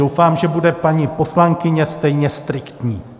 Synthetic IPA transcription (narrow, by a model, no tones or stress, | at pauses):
owfaːmʒɛbudɛpaɲipo̞slaŋkɪɲɛst̪ɛjɲɛst̪ɾɪkt̪ɲiː